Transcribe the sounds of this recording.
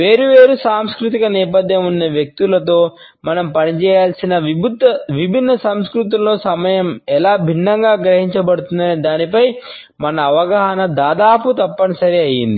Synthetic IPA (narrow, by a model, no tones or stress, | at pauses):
ʋeːɾuʋeːɾusaːmskɾut̪̬ikɐnɛːpɐd̪ʱjɐmunːɐʋjek̚t̪ulɐt̪̬o̞ː | mɐnɐmpɐnit͡ʃɛːjaːlsinɐʋibʱud̪ɐʋibʱinːɐsɐmskɾut̪̬ullo̞ːsɐmɐjɐmɛlaːbʱinːɐŋɡaːɡɾɐɦiɲt͡ʃɐbɐɽut̪und̪ɐnid̪aːnipɐj | mɐnɐːʋɐɡɐɦɐnɐd̪aːd̪aːput̪ɐpːɐnɐsɐɾiɐjind̪i